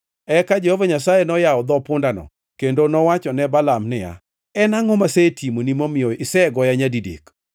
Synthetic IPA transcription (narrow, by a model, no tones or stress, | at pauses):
ɛkad͡ʒehovaɲasajenɔjaɔd̪ɔpʊndanɔ̰ | kendonɔwat͡ʃɔnɛbalamnɪja̰ | ɛnaŋɔmasetʰimonimomɪjɔɪsɛɡɔjaɲadidḛk